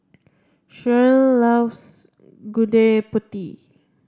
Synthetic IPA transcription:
ʃəlːafs | ɡudeput̪i

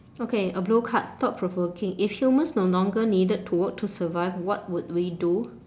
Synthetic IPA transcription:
okeəblokʰat̚t̪ɔt̚pʰɹɔvəkɪ̃ŋifhjumə̃nsnolɔ̃ŋɡənidəd̚tʰuwək̚tʰːusəvaɪvwɔt̚wud̚widu

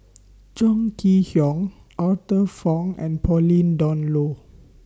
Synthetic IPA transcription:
d͡ʒɔ̃ŋkʰihjɔ̃ŋ | ʔatəfɔ̃ŋɛ̰̃npʰɔlĩndɔ̃nlo

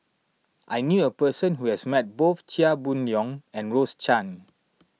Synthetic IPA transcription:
ʔajnjuəpəsə̃nɦuhɛsmɛt̚boθt͡ʃiabũnɔ̃ŋɛ̃nɹost͡ʃãn

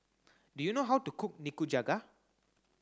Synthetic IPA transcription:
dujunoɦawtukʰʊk̚nikud͡ʒaɡa

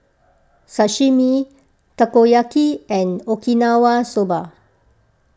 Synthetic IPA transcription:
saʃimi | takojakiɛ̃nokinawasoba

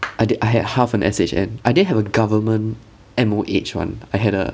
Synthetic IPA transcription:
ʔaɪdaɪɦɛd̚hafɛ̃nʔɛ̰set͡ʃɛ̰̃naɪdɪnɦɛvəɡavəmə̃n | ɛ̃moʔet͡ʃwã̰naɪɦɛɾə̰

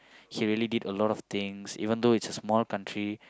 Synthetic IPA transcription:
hiɹiəlididəlɔɾɔft̪ɪ̃ŋsḭvə̃nd̪oɪtsəsmɔlkãntʰɹi

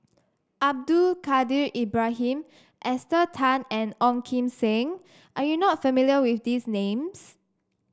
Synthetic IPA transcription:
ʔab̚dulkadiɹʔibɹaɦĩm | ʔɛstətʰãnɛ̃nɔ̃ŋkʰĩmsẽŋ | ʔajunɔt̚fəmiliəwifdisnẽms

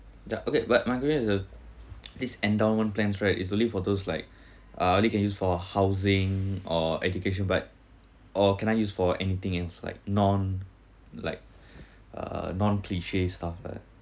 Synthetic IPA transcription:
ja̰ʔokebɛt̚maɪkwɛʃə̃nisə | disɛ̃ndaʊ̃nmə̃nplɛ̃nsɹaɪtisõnlifɔd̪oslaɪk̚ | ʔaɹilikɛ̃njusfɔhaʊzɪ̃ŋɔɛd͡ʒukeʃ̬ə̃nbat̚ | ʔɔkɛ̃naɪjusfɔʔɛnit̪ɪ̃ŋɛlsla̰ɪk̚nɔ̃n | la̰ɪk̚ | ʔʌ̰nɔ̃nkʰliʃestafla̰ɪ

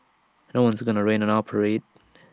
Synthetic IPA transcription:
noʊwʌ̃nzɡʌnəɹẽɪnə̃nɑpʰəɹeɪt̚

